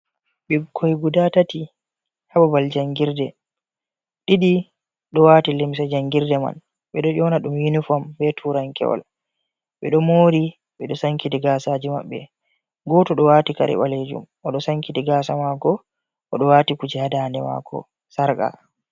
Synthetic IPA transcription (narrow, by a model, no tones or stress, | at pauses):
ɓɛkʰːɔjɡudatati | habɔbald͡ʒaŋɡiɾdɛ | ɗiɗi | ɗɔwaːtilimsad͡ʒaŋɡiɾdɛma̰n | ɓɛɗɔʔɔnaɗumjinufɔmbɛtʰuːɾaŋkɛ̰wa̰l | ɓɛɗɔmoːɾi | ɓɛɗɔsaŋkidiɡaːsaːd͡ʒima̰ɓːɛ̰ | ɡɔtɔɗɔwaːtika̰ɾɛ̰ɓaled͡ʒṵm | ɔɗɔsaŋkitiɡaːsamaːɡɔ | ʔɔɗɔwatikud͡ʒɛhadandɛma̰ːkʰɔ̰ | saɾka̰